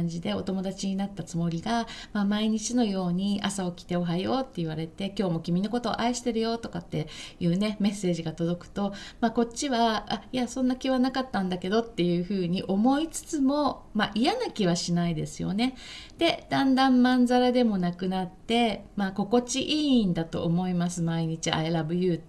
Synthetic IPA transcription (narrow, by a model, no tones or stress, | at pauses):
ɲd͡ʑid̪e̞o̞t̪o̞mo̞d̪at͡ɕiɲ̟inat̪ːat͡sɨmo̞ɾʲiɡamamaiɲ̟it͡ɕino̞jo̞ːɲ̟iasao̞kʲi̥t̪e̞o̞ɦajo̞ːt̪ːe̞iβaɾe̞t̪e̞kʲo̞ːmo̞kʲimʲino̞ko̞t̪o̞̰ːʔaiɕi̥t̪e̞ɾɯ̟jo̞t̪o̞kat̪ːe̞jɯ̟ːne̞me̞sːe̞ːʑiɡat̪o̞d̪o̞kɯ̟̥t̪o̞maːko̞tt͡ɕːiβaajasõ̞nːakʲiβanakat̪ːãnd̪ake̞d̪o̞t̪ːe̞jɯ̟ːɸɯ̟ːɲ̟iʔo̞mo̞it͡sɨ̥t͡sɨmo̞maʔijanakʲiβaɕinaid̪e̞sɨjo̞̰ne̞ | d̪̥e̞d̪̥ãnd̪ãmːãnd͡zaɾad̪e̞mo̞nakɯ̟nat̪ːe̞maːko̞ko̞t͡ɕiʔiːnd̪at̪o̞̰ʔːmo̞imasɨmaiɲ̟it͡ɕia̰eɾabɯ̟jɯ̟ː